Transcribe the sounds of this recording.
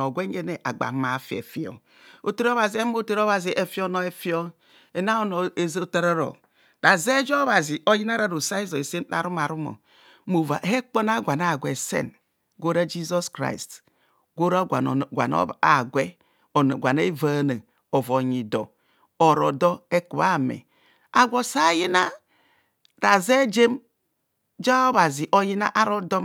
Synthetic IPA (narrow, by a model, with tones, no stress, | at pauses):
o˨ɡʷe˦e˦ne˨ʔa˨ɡ͡ba̰˨˦ma˨fi˨ḛ˨fi˦˨o̰˨ | o˦te˦ɾo˦βa˨zi˨e˦m˦o˦te˦ɾo˦βa˨zi˨ʔe˦fi˦o˦no˦e˦fi˦o˦ | e˨na˦o˦no˨e˨˦zo˦te˦ɾo˦ɾo̰˨ | da˨ze˦d͡ʒo˦βa˨zi˨o˦ji˦na˦ɾa˦ɾo˨sa˦i˦zo˨e˨se˦a̰˨ɾu˦ma˨ɾu˦mo̰˨ | mo˨va˨he˦k͡po˦na˦˨ɡʷa˨na˨ɡʷe˨sḛ˦n | ɡo˦ɾa˦d͡ʒi˦zɔ˦skɾa̰˦˨i˨st | ɡo˦ɾa˦a˨ɡʷa̰˨n̰˦a˨ɡʷɛ˦ | o˨n˨ɡʷa˨ne˦va˦˨na˨ | o˨vo˨ɲi˨dɔ˨ | o˨ɾɔ˨dɔ˦e˦ku˨βa˦˨mɛ̰˨ | a˨ɡʷo˨sa˦ji˦na˦ | ɾa˨ze˦d͡ʒe˦m | d͡ʒa˦o˦βa˨zi˨ʔo˦ji˦na̰˦ʔa˦ɾo˦dɔ˦m